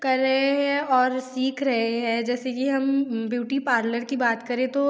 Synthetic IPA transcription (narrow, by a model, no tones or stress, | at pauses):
kɐɾːɐɦeɦɛ̃ɔːɾsiːkʰɾɐɦeɦɛ̃d͡ʒɛːsekiɦɐmbjuːʈipaːɾləɾkibaːt̪kɐɾẽt̪o